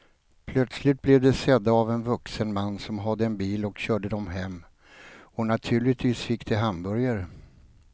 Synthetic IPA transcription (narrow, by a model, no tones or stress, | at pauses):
pʰlœt̪slɪt̪̚blɛvd̪ɛsɛd̪ːaːvɛnvɵksənmanːsɔmɦad̪ːəɛnbiːlɔkɕœːɖəd̪ɔmɦɛmː | ɔnat̪ʰʉ̟ːɭɪt̪viːsfɪkːd̪ɛɦambœɾjaɾ